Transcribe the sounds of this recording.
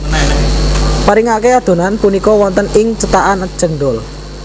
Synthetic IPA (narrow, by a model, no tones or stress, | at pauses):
paɾiŋakead̪̥o̤nanpunikɔwɔnt̪ənɪŋt͡ʃət̪aʔanə̥ʒ̥ə̤nɖ̪ʊl